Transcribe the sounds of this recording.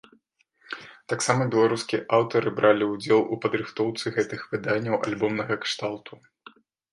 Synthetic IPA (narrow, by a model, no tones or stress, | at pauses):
t̪aksamɐbʲɛlˠaɾuskʲiɛʔawt̪ɐɾɨbɾʔalʲiud͡zʲɛlˠʔupɐd̪ɾɨxt̪ɔwt̪sɨɣɛt̪ɨxvɨd̪anʲːɐwʔa̰lʲbɔmnɐɣɐkʂt̪alˠt̪ʰu